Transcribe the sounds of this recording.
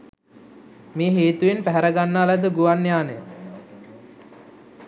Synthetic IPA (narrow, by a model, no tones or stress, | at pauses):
meːɦeːt̪uʋenpæɦæɾəɡanːəalæd̪əɡuʋanːjaːnəj